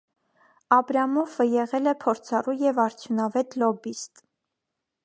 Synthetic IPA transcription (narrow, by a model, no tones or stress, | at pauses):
ɑbɾɑmɔvəjɛʁɛlɛpʰɔɾt͡sʰɑrujɛvɑɾt͡sʰjunɑvɛt̪lɔbist̪